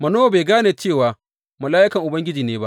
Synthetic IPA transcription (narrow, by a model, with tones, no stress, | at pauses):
mɐ˨noː˦˨beː˨ɡaː˦neː˨t͡ʃeː˦˨waː˨ | mʊ˨laː˦ʔɪ˦kɐ˨ŋʔʊ˨bɐ˦ŋɡʲɪ˦d͡ʒiː˨neː˦ba̰˦ʔ